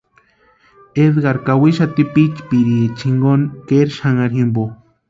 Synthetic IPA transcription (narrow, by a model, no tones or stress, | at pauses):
ed̪ɡaɾkawiʃat̪ipit͡ʃpiɾiet͡ʃʰiŋɡonkeɾʃaŋaɾɦimbo